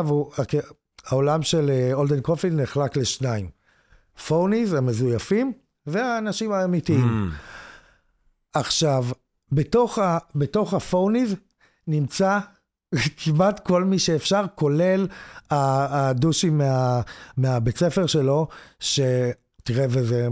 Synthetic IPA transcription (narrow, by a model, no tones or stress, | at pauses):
vuak | ao̞lamʃe̞leoldenkofineχlakle̞ʃnaim | fownizame̞zujafim | veaːnaʃimaːmitiimm | aχʃav | beto̞χabeto̞χafowniz | nimt͡sa | kʰimatko̞lmiʃeːfʃaʁko̞le̞laduʃimːeameabe̞t͡sefeʁʃe̞lo̞ʃe̞ | tiʁeveze